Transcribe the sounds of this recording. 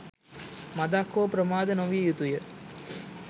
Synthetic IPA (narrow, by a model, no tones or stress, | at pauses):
mɐd̪aːkːoːpɾɐmaːd̪ɐnɐʋjɐjut̪ujɐ